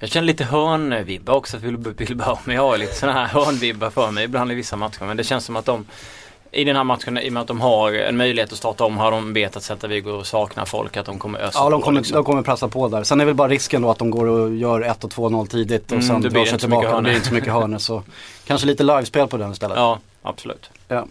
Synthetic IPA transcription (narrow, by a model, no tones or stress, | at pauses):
jɑːɡɕɛnːəliːt̪əɦœːɳvɪbːaɔksɔt̪ɪlvɪlbːmːɛɑlit̪ə̥sɔnaɦæɾhœːɳvɪbːafœːɾmɛjɪbland̪ɪvɪsːamat̪ɧəɾmɛnd̪ɛɕɛnssɔmat̪̚d̪ɔm | ʔɪd̪ɛnhæːɾmat̪ɧənɪ̰mɛnat̪̚d̪ɔmɦaɾɛ̰nmœjlɪheːt̪ɔst̪ɑːʈaɔmːɦaɖɔmveːeːt̪at̪sɛt̪ːaɾvɪɡʊɔsɑːkna̰fɔ̰lkat̪̚d̪ɔmkʰɔmːə̰ɾʔœ̰sɑːd̪ɔmkʰɔmːəd̪ɔmkɔmːəɾpʰɾɛsːapʰɔd̪æːɾsɛnːɛɾvɛlbɑːɾaɾɪskənd̪ɔat̪̚d̪ɔmɡoːɾɔjœːɾɛt̪ːɔt̪ʰvoːnɔlːt̪ʰiːd̪ɪt̪ɔsɛnːseɪlbɑːkad̪lɪɾɪnəsɔmʏkːəɦœːɳəsɔkʰanʂəliːt̪əlajvspeːlpʰɔd̪ɛnɪst̪ɛlːə̰tɑː | ʔa̰b̥sɔlʉ̰ːt̪jɑː